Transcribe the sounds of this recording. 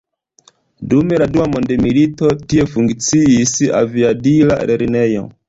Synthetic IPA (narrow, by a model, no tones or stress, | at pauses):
dume̞laduwamo̞nde̞milito̞tie̞fuŋkt͡siisa̰viabila̰ɾeɾine̞jo̞̰